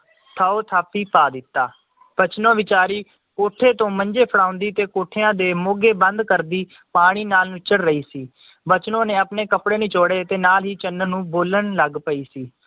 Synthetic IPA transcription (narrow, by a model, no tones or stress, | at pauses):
t̪ʰaːoːt̪ʰaːpiːpaːd̪ɪt̪ːaː | b̥ət͡ʃnõːʋɪt͡ʃaːɾiː | koːʈʰːeːt̪õːməɲd͡ʒeːpʰəɽaːʊ̃nd̪iːt̪eːkoːʈʰeːãːd̪eːmoːɡeːbənd̪kəɾd̪iː | paːɽ̃iːnaːlnũːt͡ʃəɽɾəiːsiː | bət͡ʃnõːneːəpneːkəpɽeːnĩːt͡ʃoːɽeːt̪eːnaːlɦiːt͡ʃənənũːboːləɳləɡpəiːsiː